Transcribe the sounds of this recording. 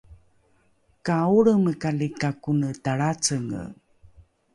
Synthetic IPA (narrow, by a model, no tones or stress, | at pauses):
kauɭəməkalikakunətaɭat͡səŋə̰